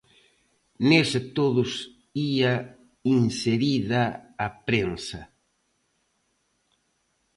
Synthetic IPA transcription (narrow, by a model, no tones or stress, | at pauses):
nest̪oðʊs | ia | inseɾiðɐːpɾensɐ